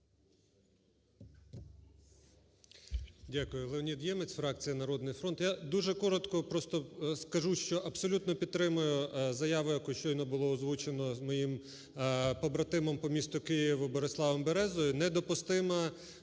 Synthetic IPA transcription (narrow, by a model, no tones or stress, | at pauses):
dʲakʊjʊlˠeɔnʲid̪jɛmet͡sʲfɾɑkt͡sʲijɐnɐɾɔd̪nɪjfɾɔnt̪jad̪uʒɛkɔɾɔt̪kɔpɾɔst̪ɔskɐʒuʃt͡ʃɔʔɐbsɔlʲut̪nɔpʲid̪t̪ːɾɪmʊjʊzɐjɑʋʊjɐkuʃt͡ʃɔjnɔbʊlˠɔːzʋut͡ʃenɔmɔjim | pɔbɾɐt̪ɪmɔmpɔmʲist̪ʊkɪjiʋɐbɔɾeslˠɑʋɔmbeɾɛzɔjʊnɛd̪ɔpʊst̪ɪmɐ